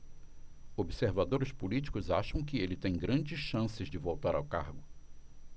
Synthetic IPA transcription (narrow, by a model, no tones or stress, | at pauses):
obiseɾvad̪oɾɪspulit͡ʃi̥kʊzaʃɐ̃w̃kɪelɪt̪ẽj̃ɡɾɐ̃d͡ʒɪsʃɐ̃sɪzd͡ʒɪvowt̪aɾawkaɾɡʊ